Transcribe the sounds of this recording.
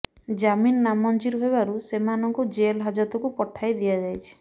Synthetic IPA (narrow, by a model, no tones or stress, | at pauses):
d͡ʒaminːamɔnd͡ʒiɾɦebaɾusemanɔŋkud͡ʒelɦad͡ʒɔt̪ɔkupɔʈʰːajd̪iad͡ʒajt͡ʃʰi̥